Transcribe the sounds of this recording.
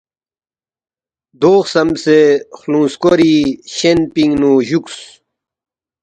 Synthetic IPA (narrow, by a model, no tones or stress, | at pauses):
d̪oːxsɐmsexlũːnskoɾiɕenpiŋɡnuʑuks